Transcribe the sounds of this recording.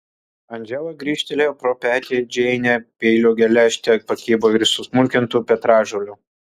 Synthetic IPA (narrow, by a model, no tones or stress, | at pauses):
ɐnʲd͡ʒʲɛʋˠɐɡɾʲiːʃʲt̪ʲɛlʲeːpɾopʲæːt̪ʲiɛd͡ʒʲɛɪnʲɛpʲeɪlʲoːɡʲɛlʲæːʃʲt̪ʲɛpɐkʲiːboːɪɾʲsʊsmʊlʲkʲɪnt̪uːpʲɛt̪ɾɑːʒolʲʊː